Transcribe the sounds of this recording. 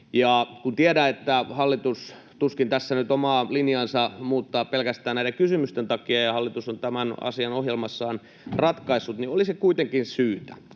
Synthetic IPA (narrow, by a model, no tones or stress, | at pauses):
jɑkunt̪iedæet̪ːæhɑlːit̪us | t̪uskint̪æsːænyt̪omɑːlinjɑnsɑmuːt̪ːɑːppelkæst̪æːnæiɾeŋkysymyst̪ent̪ɑkiɑjɑhɑlːit̪usont̪æmænɑ̰siɑnohjelmɑsːɑːn | rɑt̪kɑisːut̪niolisekuit̪eŋkinsyːt̪æ